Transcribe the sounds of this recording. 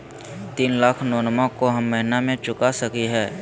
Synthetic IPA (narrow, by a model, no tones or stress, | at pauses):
t̪iːnlaːkʰnɔːnmãkoɦɐmːɐɦɪnamẽt͡ʃʊkasɐkiɦɛː